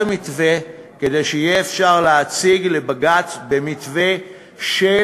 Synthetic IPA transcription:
mit̪ve̞ke̞d̪e̞jʃeijeːfʃaʁleːt͡siɡle̞baɡat̪be̞mit̪ve̞ | ʃe

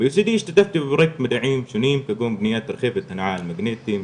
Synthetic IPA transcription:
bjʊsid̪iːʃt̪ad̪aft̪ibbɾˤek̚t̪mad̪aʕiːmʃʊniːmkaɡuːmbnɪjaːt̪ɾxeːfɪt̪hanʕaːlmaɡneːt̪i

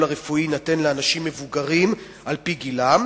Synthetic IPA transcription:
laʁefuinatenleanaʃimːe̞vuɡaʁim | ʔalpiɡilam

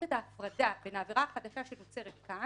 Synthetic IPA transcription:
et̪aːfʁadavenaːviʁaχad̪aʃaʃenot͡se̞ʁet̪ka

